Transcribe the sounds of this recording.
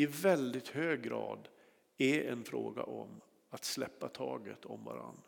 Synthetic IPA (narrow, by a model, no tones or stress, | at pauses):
ɪvɛld̪ɪt̪høːɡɾɑːd̪ | ɛɾɛnfɾoːɡaʔɔm | at̪slɛpːat̪ʰɑːɡət̪ʰɔmva̰ɾa̰nː